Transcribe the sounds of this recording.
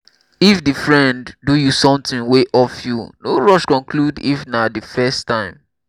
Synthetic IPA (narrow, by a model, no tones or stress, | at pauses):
ifdifɹɛ̃nddujusɔ̃mtɪ̃nweʔɔfjunoɹɔʃkɔ̃nkludḭfnadəfɛstãɪ̃m